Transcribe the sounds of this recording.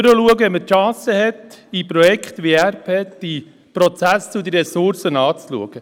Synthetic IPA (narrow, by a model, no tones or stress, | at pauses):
ɾəluəɡəɛmətʃɑ̃ːsəhɛt̪ipɾɔjɛkχt̪ʋiæɾpʰeːd̪̥i | pɾɔt͡sæst͡sud̪əɾɛsʊɾsənɑːt͡slṵəɡ̥ə